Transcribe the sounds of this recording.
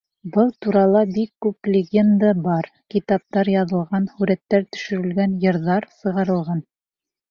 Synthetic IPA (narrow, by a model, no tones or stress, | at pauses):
bɤlˠt̪uɾɑlˠɑbikːʉplʲɪɡʲe̞nd̪abɑɾ | kit̪ɑp̚t̪ɑɾjɑðɤ̆lˠʁɑnhʉɾæt̪ːæɾt̪ɵ̥̆ʃɵ̆ɾɘ̆lɡænjɤ̆ɾðɑɾsɤ̆ʁɑɾɤ̆lˠʁɑn